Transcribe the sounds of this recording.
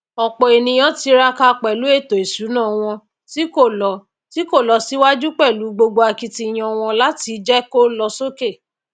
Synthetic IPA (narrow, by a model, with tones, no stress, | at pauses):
ɔ˨k͡pɔ˨e˨nĩ˧j̃ɔ̃˦ti˧˦ɾa˧ka˧k͡pɛ˨lu˨˦e˦˨to˨e˨su˨˦nã˦˨w̃ɔ̃˧ | si˦ko˦˨lɔ˨ | ti˦ko˦˨lɔ˨˦si˦wa˦d͡ʒu˦k͡pɛ˦˨lu˨˦ɡ͡bo˧ɡ͡bo˧a˧ki˦ti˧˨j̃ɔ̃˧w̃ɔ̃˧la˦ti˧d͡ʒɛ˦ko˦lɔ˧so˦ke˦˨